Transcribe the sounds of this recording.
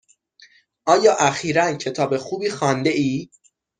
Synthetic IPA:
ʔɒːjɒːʔæxiːɾæncʰe̞t̪ʰɒːbe̞xuːbiːxɒːnd̪e̞ʔiː

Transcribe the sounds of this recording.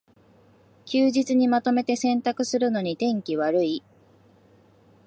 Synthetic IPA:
kʲɨːʑit͡sɨɲ̟imat̪o̞me̞t̪e̞sẽ̞nt̪akɯ̟sɨɾɯ̟no̞ɲ̟it̪ẽ̞ŋkʲiβaɾɯ̟i

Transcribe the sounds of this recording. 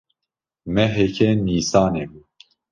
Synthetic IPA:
mɛɦɛkʰɛniːsɑːnebu

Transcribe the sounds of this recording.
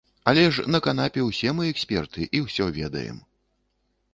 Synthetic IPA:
ɐlʲɛʂnɐkan̪apʲɛwsʲɛmɨɛksʲpʲɛrt̪ɨʔiwsʲɔvʲɛd̪ɐ̰jɛ̰m

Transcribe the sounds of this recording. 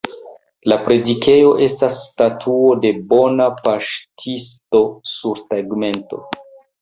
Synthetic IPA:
lapɾe̞dike̞jo̞ʔe̞stasːtatʰuo̞de̞bo̞napaʃtʰisto̞suɾtaɡme̞nto̞̰

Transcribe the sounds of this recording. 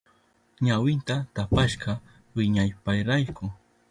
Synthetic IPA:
ɲawɪnt̪at̪apaʃɢɑ | wɪɲajpajɾajkʊ

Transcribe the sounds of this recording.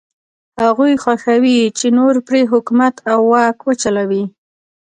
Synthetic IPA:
haɣujxwaxawit͡ʃenoɾpɽeɦʊkumat̪awːɑkwət͡ʃalawi

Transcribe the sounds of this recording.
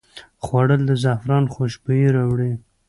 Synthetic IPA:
xwaɽəld̪əzafɾɑnxoʃbəjiɾɑwɽi

